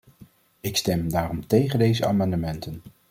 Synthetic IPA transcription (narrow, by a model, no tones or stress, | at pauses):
ɪkstɛmdaːrɔmtejχəndejzəa̰ːmɑndəmɛntən